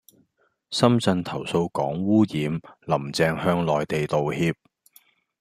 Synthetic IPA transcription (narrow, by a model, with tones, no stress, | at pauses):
sɐ˥mt͡sɐ˧nt̪ʰɐ˨˩wso˧wkɔː˨˥ŋwuː˥jiː˨˧mlɐ˨˩mt͡sɛː˨˧ŋhœː˧ŋlɔː˨jt̪e˨jt̪o˨whiː˧p̚